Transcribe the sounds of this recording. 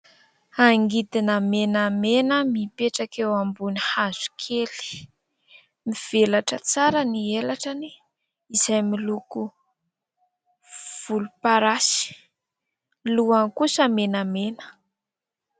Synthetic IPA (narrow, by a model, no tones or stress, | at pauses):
aŋɡid̪inəmenəmenəmipeʈ͡ʂakewambunihaz̥u̥kʰeli̥ | miv̥elaʈ͡ʂət͡saɾənielaʈ͡ʂani | izajmiluku | v̥ulupaɾasi̥ | luankusəmenamenə̥